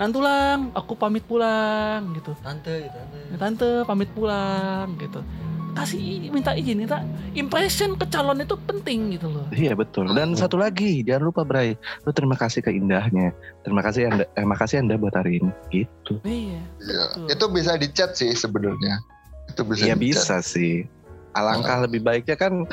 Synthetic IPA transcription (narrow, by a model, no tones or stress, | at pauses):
nant̪ulaŋakupamɪt̪̚pulaŋɡit̪u | t̪ant̪əpamɪt̪̚pulaŋɡit̪ukasimint̪aʔid͡ʒɪnmint̪aimpɾesɔnkət͡ʃalɔnit̪upənt̪ɪŋɡit̪ulɔijabət̪ʊldansat̪ulaɡid͡ʒaŋanlupabəɾajt̪ʊt̪əɾimakasɪhkəindahɲat̪əɾimakasɪandaemakasɪandabuat̪aɾinɡ̥it̪uijaia̰it̪ubis̬adit͡ʃat̪̚sɪhsəbənarɲa | it̪ubisajabisasɪh | ʔa̰laŋkahləbɪhbaɪk̚ɲakan